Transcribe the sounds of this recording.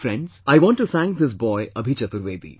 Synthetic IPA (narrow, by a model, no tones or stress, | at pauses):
fɾɛ̃ɳɖzaɪʋɔ̃nʈːut̪ʰæ̃ŋk̚d̪ɪs̬bɔɪʔəbʱit͡ʃɐt̪uɾʋeːd̪ḭ